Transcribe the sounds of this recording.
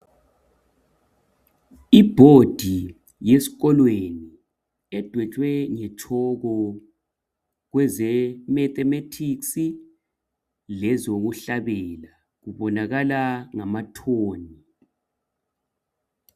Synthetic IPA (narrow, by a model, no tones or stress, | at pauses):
ib̥ʱod̥ʱi | jesi̥ɣɔlweni | ɛd̥ʱwɛt͡ʃʼwɛŋɛt͡ʃʰʼɔɣɔ | ɣwɛzɛmɛθɛmetʰiksi | lɛzoɣuɬaβɛla | ɣuβɔnaɣalaŋamatʰoːni